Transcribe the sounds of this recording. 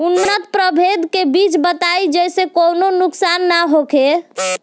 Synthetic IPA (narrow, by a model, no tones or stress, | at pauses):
unːət̪̚pɾəbʱed̪kebit͡ʃbət̪ajd͡ʒɛjsekononuksanːaɦokʰe